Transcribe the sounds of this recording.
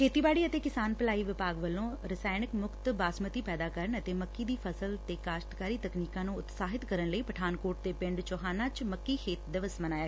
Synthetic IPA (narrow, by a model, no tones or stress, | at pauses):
kʰeːt̪iːbaːɽiːət̪eːkɪsaːnpəlaːiːʋɪpaːɡʋəlːõːɾəsaːɪnɪkmʊkʰt̪baːsmət̪iːpɛːd̪aːkəɾəɳət̪eːməkːiːd̪iːpʰəsəlt̪eːkaːʃt̪kaːɾiːt̪əkniːkãːnũːʊt̪saːɦɪt̪kəɾənləiːpəʈʰaːnkoːʈ̚d̪eːpɪɳɖt͡ʃɔːɦaːnãːt͡ʃməkːiːkʰeːt̪d̪əʋəsmənaːjaː